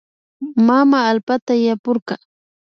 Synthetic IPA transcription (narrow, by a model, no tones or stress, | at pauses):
mamaːlpat̪ajapʊɾqɑ